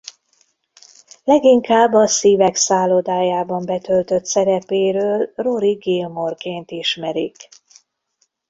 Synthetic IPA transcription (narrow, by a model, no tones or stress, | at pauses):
lɛɡiŋkaːbːɒsiːvɛksaːlod̪aːjaːbɒmbɛt̪ølt̪ø̞t̪sɛɾɛpeːɾøːlroɾiɡeːlmo̞rkeːnt̪iʃmɛɾik